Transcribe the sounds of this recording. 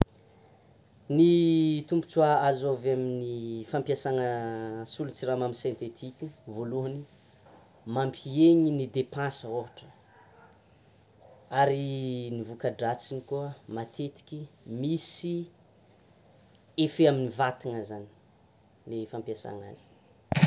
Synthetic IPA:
nit̪umpu̥t͡suaazovaminifampjasaŋəsulut͡siramaminsẽnt̪et̪ʰikʲuvoluɦəni | mampʰieɲinid̪epãsəoɦaʈ͡ʂə̥ | aɾinivukaɖ͡ʐat͡sinikuəmat̪ʰet̪i̥kʲimisi | efeaminivat̪iŋəzani̥ | lefampjasa̰ŋa̰zi̥

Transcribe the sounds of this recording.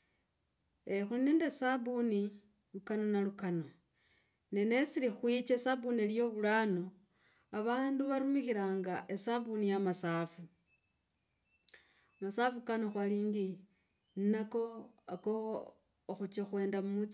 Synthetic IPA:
exuneːndesaβuni | lukanonalukano | ne̞ne̞silixwit͡ʃesaβunieljo̞βulano̞ | aβaːnduβaɾumixiɾaːŋɡaʔesaβunijamasaːfu | amasafukanoxwaliːŋɡi | nnako̞akoː | xut͡ʃexwe̞ːndamumut͡s

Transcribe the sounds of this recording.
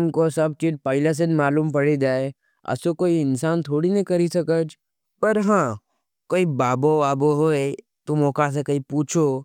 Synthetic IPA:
ʊnkosɐb̚t͡ʃiʈ̚pəɪlas̬enmaːluːmpɐɽid͡ʒaːe | ɐ̰sokoːiɪnsaːnt̪ʰoːɽinɐkɐɾisɐkəd͡ʒ | pɐɾɦãː | koːibaːboaboɦoːe | t̪omɔːkas̬ekɐipuːt͡ʃʰo

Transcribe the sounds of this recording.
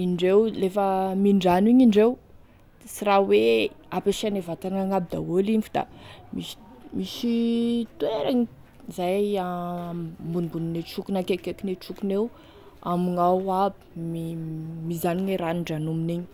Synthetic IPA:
iɳɖ͡ʐewlefəmiɳɖ͡ʐaniɲiɳɖ͡ʐew | siraweapeʃanevat̪anaŋabid̪a̰wolimvud̪a̰misi̥ | misit̪ueɾaɲi | zaa | mbunimbunineʈ͡ʂukunakekekineʈ͡ʂukunew | amiŋawabi̥mimizaniɲeɾaniɳɖ͡ʐanuminiɲi̥

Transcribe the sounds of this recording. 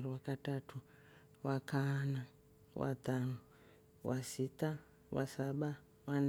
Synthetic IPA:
riwakatatu | wakʰana | wa̰t̪anu | wasita | wa̰saɓa | wan

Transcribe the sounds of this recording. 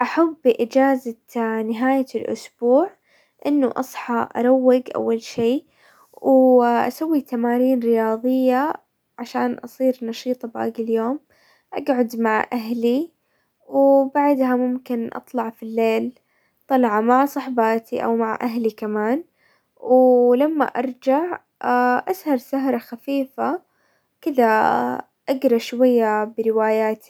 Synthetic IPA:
ʔaħabːɪʔɪd͡ʒaːza | nɪɦaːjalʔʊ̰sb̥uːʕ | ʔɪnːʊʔɑ̰sˤħɑʔɑ̰ɾˤawːɪɡʔa̰wːalʃiː | wʔa̰sawːit̪amaːɾiːnɾɪjɑːðˤɨjːa | ʕaʃaːnʔɑsˤiːɾnɑʃiːt̪ˤɑbʔa̰ɡɪljoːm | ʔaɡʕʊd̪maʕʔaɦli | wbaʕd̪hamʊmkɪnʔɑ̰t̪ˤlɑʕfilːeːl | t̪ˤɑlʕamaʕsˤɑħbaːt̪iʔa̰wmaʕʔaɦlikamaːn | wlamːa̰ʔɑɾˤd͡ʒaʕ | aʔashɑɾˤsaɦɾˤɑxafiːfa | kɪða | ʔaɡɾˤɑʃwajːabɾɪwaːjaːt̪i̥

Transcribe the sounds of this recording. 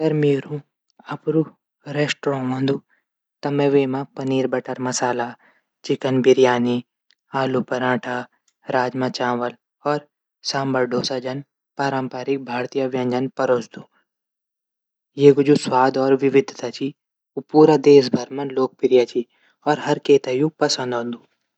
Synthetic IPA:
ɐɡɐɾmeːɾũ | ɐpɾu | ɾeːsʈɾɔ̃ːʋɐ̃nd̪ʱu | t̪ɐmɛ̃ʋeːmãpɐniːɾbɐʈɐɾmɐsaːla | t͡ʃɪkənbɪɾjaːni | aːlupɐɾãːʈʰa | ɾaːd͡ʒmãt͡ʃaːʋəl | ɔːɾ | sãːmbɐɾɖʱoːsad͡ʒɐn | paːɾãmpaːɾɪk̚bʱaːɾt̪ijaʋjɐ̃ɲd͡ʒɐnpɐɾoːt͡ʃd̪u | jeːɡʊd͡ʒuswaːd̪ɔːɾʋɪʋɪd̪ʱt̪aːt͡ʃi | upuːɾad̪eːs̬bʱɐɾmɐnloːk̚pɪɾjaːt͡ʃi | ɔːɾɦɐɾkeːt̪ajupɐsə̃nd̪õnd̪u

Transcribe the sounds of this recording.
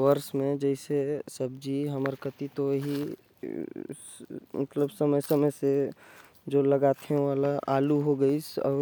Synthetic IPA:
ʋəɾsmẽd͡ʒɛɪsesəb̚d͡ʒiɦəməɾkət̪it̪oɦi | mət̪ləbsəməjsəməjse | d͡ʒoːləɡaːt̪ɦɛ̃alaʔaːluɦoɡəisɔ̰ːɾ

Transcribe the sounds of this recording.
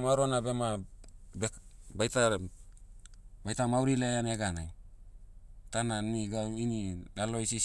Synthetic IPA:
maɾonabe̞mabebajta | bajtamawɾilejaneɡanaj | tananiɡawinilalo̞jsi

